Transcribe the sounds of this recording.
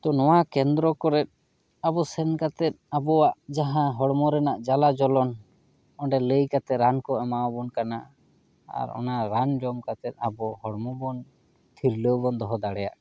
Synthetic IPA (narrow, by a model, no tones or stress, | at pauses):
t̪ɔnɔwakɛnd̪ɾɔkɔɾɛt̪̚ | abɔsɛnkat̪ɛt̪̚abɔwaʔd͡ʒaɦãɦɔɽmɔɾɛnaʔd͡ʒalad͡ʒɔlɔn | ɔɳɖɛləjkat̪ɛɾankɔɛmawbɔnkana | a̰ɾɔ̰naɾand͡ʒɔmkat̪ɛt̪̚ˀabɔhɔɽmɔbɔn | t̪ʰiɾləwbɔnd̪ɔɦɔd̪aɽɛja̰ʔ